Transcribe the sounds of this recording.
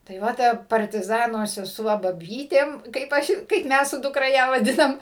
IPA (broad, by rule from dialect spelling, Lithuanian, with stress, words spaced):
tɐɪ ˈʋɐ ˈtɐ pɐrʲtʲɪˈzɑːnoː sʲɛˈsuɔ bɐˈbʲiːtʲeːm kɐɪp ˈɐʃ kɐɪp ˈmʲæs sʊ dʊkˈrɐ ˈjæː ʋɐˈdʲɪnɐm